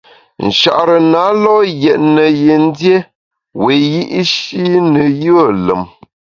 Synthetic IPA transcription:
n̩˨ʃa̰˨ʔɾə˨na˨˦lɔ˦jɛ˨ʔnə˨je˨n̩˦dje˦ | we˨ji˦ʔʃi˦nə˨jə˦˨lə̰˨m

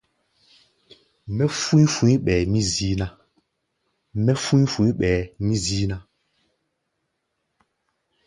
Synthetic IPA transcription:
mɛ˦fu˦fũ˨˦i˦ɓɛ˨mi˦zi˦na˦ | mɛ˦fũ˦fũ˨˦i˦ɓɛ˨mi˦zi˦na˦

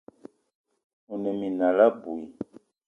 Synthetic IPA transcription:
u˨nɛ˨mi˨na˨la˦bu˨i˨

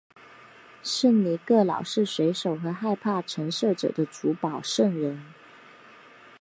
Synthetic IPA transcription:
ʂə˥˩ŋli˨˥kɤ˥˩lɑ˨˩ʊʂɻ̩˥˩ʂwe˧˥ɪʂo˨˩ʊxɤ˧˥xa˥˧ɪpʰa˥˩ʈ͡ʂʰə˧˥ŋʂɤ˥˩ʈ͡ʂɤ̰˨˩d̪ə˦t͡su˧˥pɑ˨˩ʊʂɤ˥˩ŋɻə˧˥n

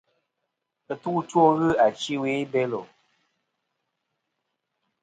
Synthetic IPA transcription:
ə˨tu˦two˦ɣɨ˦a˨t͡ʃi˦we˨˦be˦lo˨

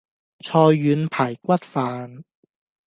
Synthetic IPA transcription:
t͡sʰɔː˧jːyː˨˧npʰaː˨˩jkʷɐ˥t̚faː˨˧n

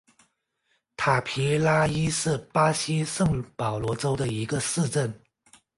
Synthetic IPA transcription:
t̪ʰa˨˩pʰi˧˥la˥i˥ʂɻ̩˥˩pa˥ɕi˥ʂɤ˥˩ŋpɑ˨˩ʊlwɔ˧˥ʈ͡ʂo˥ʊd̪ə˨i˧˥ɡə˧sɹ̩˥˧ʈ͡ʂə˥˩n

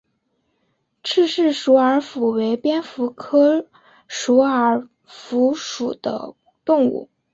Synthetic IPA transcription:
ʈ͡ʂʰɻ̩˥˧ʂɻ̩˥˩ʂu˧˥ə˞˧˥fu˨˩we˧˥ɪpjɛ˥nfu˧˥kʰɤ˥ | ʂu˧˥ə˞˧˨˥ | fu˧˥ʂu˨˩d̪̥ə̰˦ | t̪ʊ˥˧ŋṵ˥˩

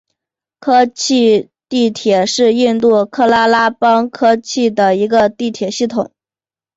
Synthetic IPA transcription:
kʰɤ˥t͡ɕʰi˥˧ | t̪i˥˩t̪ʰjɛ˨˩ʂɻ̩˥˧i˥˧nt̪u˥˩kʰɤ˥la˥la˥pɑ˥ŋkʰɤ˥t͡ɕʰi˥˩d̪ə˩i˧˥ɡə˧t̪i˥˩t̪ʰjɛ˨˩ɕi˥˩t̪ʰʊ̰˨˩˦ŋ

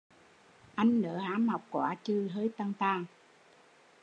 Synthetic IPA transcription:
ʔa˧jŋ̟nəː˨˩haː˨˦mha˨˩wk͡p̚kwa̰ː˧˩t͡ɕɨ˧˩ɦəː˧˦jt̪a˧ŋt̪aː˧˩ŋ

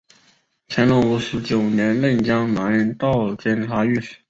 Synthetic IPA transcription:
t͡ɕʰɛ˧˥nlɔ˥ŋu˧˥ʂ̩˧˥t͡ɕjo˨˩ʊnjɛ˧˥nlə˥˩nt͡ɕjɑ˥ŋna˨˥nɻə˧˥nt̪ɑ˥˩ʊt͡ɕjɛ˥˩nʈ͡ʂʰa˧˥ɥɛ˥˩ʂ̩˨˩˥

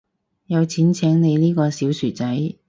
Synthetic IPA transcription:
jɐ˨˧wt͡sʰiː˨˥nt͡sʰɛː˨˥ŋne˨˧jniː˥kɔː˧siː˨˥wsyː˨˩t͡sɐ˨˥j

